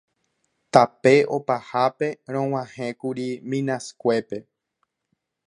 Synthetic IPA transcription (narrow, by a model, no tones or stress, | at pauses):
t̪ape̞ʔo̞pahape̞ɾ̃õw̃ãhẽkuɾimĩnãskʷe̞pe̞